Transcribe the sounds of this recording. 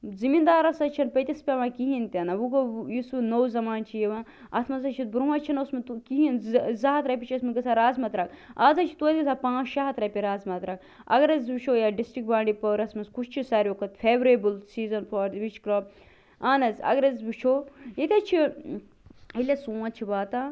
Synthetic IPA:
zimind̪aːɾɐsɐt͡ʃʰɐnpɐt̪ʲispʲaʋãːkiɦint̪ʲɐnɐʋuɡojisnowzɐmaːnt͡ʃʰijeʋãː | ɐt̪ʰmɐzɐt͡ʃʰit̪̚bɾuwɐt͡ʃʰɐnɐusmɐt̪ukiɦinzɐɦɐt̪ɾɐpʲit͡ʃʰɐsmɐɡɐsaɾaːzmɐt̪ɾɐkaːzɐt͡ʃʰi̥t̪uːt̪ʲisapãːt͡ʃʃaɦɐt̪ɾɐpʲiɾaːzmɐt̪ɾɐk | ɐ̰ɡɐɾɐzbit͡ʃʰoːjaɖisʈɾik̚bãːɳɖipɐɾɐsmɐskut͡ʃʰt͡ʃʰisaɾʲokʰɐt̪fʰeːʋɾebɨlsiːzɐnfʰɐːɾʋit͡ʃʰkɾɐb̚ | aːnɐzɐ̰ɡɐɾɐzbit͡ʃʰoːjik̪ʲɐt͡ʃʰi | ilʲɐsũːat͡ʃʰibaːt̪aː

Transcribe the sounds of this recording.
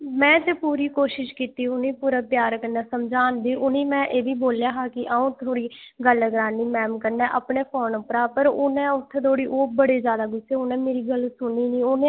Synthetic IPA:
mɛ̃ːt̪epuːɾiːkoːʃɪʃkiːt̪iːʊnĩːpuːɾaːpjaːɾkəɾnɛːsəmd͡ʒaːnd̪iːʔʊnĩːmɛ̃ːʔeːʋiːboːljaːɦaːkɪʔaːũːt̪ʰoːɽiːɡəlɡɾaːniːmɛːmkəɾnɛːʔaːpɳeːpʰoːnʊpɾaːpəɾʊnɛ̃ːʊt̪ʰːet̪ʰoːɽiːʔoːbəɽeːzjaːd̪aːɡʊseːʊnɛ̃ːmeːɾiːɡəlsʊnːiːnĩːʊnẽ

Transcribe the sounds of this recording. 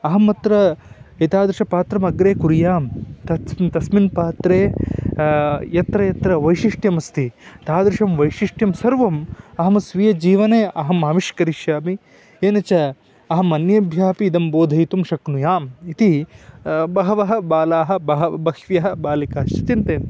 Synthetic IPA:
ɐɦɐmɐt̪ɾɐit̪aːd̪ɾɪʂɐpaːt̪ɾɐmɐɡɾeːkuɾijaːmt̪ɐt̪ɐsminpaːt̪ɾeː | jɐt̪ɾɐjɐt̪ɾɐʋɐjʃiʂʈjɐmɐst̪it̪aːd̪ɾiʂɐmʋɐjʃiʂʈjɐmsɐɾʋɐmɐɦɐmɐsʋijɐd͡ʒiːʋɐneːʔɐɦɐmaːʋiʃkɐɾiʃjaːmi | eːnɐt͡ʃɐ | ɐɦɐmɐnjɐbʱjaːpiːd̪ɐmboːd̪ʱɐjit̪umʃɐknujaːmit̪i | bɐɦɐʋɐɦɐbaːlaːɦɐ̆bɐɦɐbɐkʋjɐɦɐ̆baːlikɐːʃit̪int̪eːn

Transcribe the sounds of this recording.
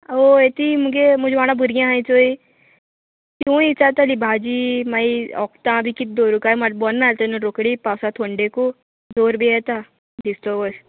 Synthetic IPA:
oet̪imuɡemʊd͡ʒʱʋaːñãbuɾijãɦaĩt͡ʃoːi | k̪jũːit͡ʃat̪alibʱaːd͡ʒimaiɔ̰ːkt̪ãbʱikit̪̚d̪oːɾukamɐɾbɔnːalt̪enuɾokɽipaːwsat̪ʰoːɳɖeko | d͡ʒoːɾbʱiɛt̪a | disʈobəs

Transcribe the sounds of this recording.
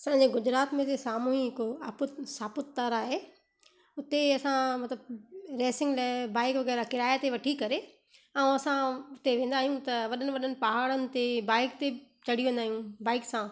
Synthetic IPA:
sɐ̃ɪ̃ɲd͡ʑeɡʊd͡ʑɾaːt̪mẽt̪esaːmuːɦiɦɪkoapʊt̪saːpʊt̪t̪aɾaːɦe | ʊt̪eɐsãmɐt̪ləbɾɛːsɪ̃ŋɡlabaːɪkʋɐɣɛːɾakɪɾaːjat̪eʋɐʈʰikɐɾe | ɛ̃ũɐsãʊt̪eʋẽːn̆d̪aːɦijũt̪ɐʋɐɗənɪ̆ʋɐɗənɪ̆pɐɦaːɽənɪ̆t̪ebaːɪkt̪e | t͡ɕɐɽ̤iʋẽːnd̪aːɦijũbaːɪksã

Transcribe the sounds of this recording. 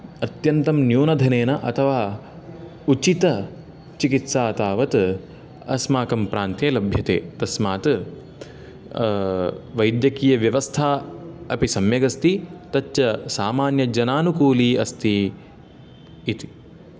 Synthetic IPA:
ɐt̪jɐnt̪ɐmnjuːnɐd̪ʱɐneːnɐʔɐt̪ʰɐʋaː | ut͡ʃit̪ɐ | t͡ʃikit̪saːt̪aːʋɐt̪ | ɐ̰smaːkɐmpɾaːnt̪eːlɐbʱjɐt̪ḛːt̪ɐsmaːt̪ | ʋɐjd̪jɐkiːjɐʋjɐʋɐst̪ʰaːɐpisɐmjɐɡɐst̪it̪ɐt͡ʃːt͡ʃɐsaːmaːnjɐd͡ʒɐnaːnukuːliːɐst̪i | t̪i̥

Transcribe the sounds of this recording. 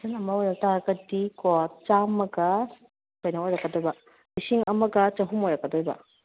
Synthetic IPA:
sɐnɐmɐojɾɐktaɾɐɡɐdikɔt͡ʃamɐɡɐ | kojnɐojɾɐkːɐdobɐ | misiŋɐmɐɡɐt͡ʃɐɦumojɾɐkːɐdojbɐ̰

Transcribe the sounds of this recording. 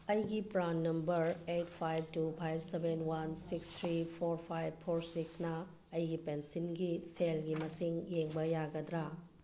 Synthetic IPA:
ɐjɡipɾanːɐmbɐɾet̚pʰajb̚tupʰajb̚sebenwansikst̪ʰɾipʰoɾpʰajb̚pʰoɾsiksnɐː | jɡipensinɡiselɡimɐsiŋjeŋbɐjaɡɐd̪ɾa

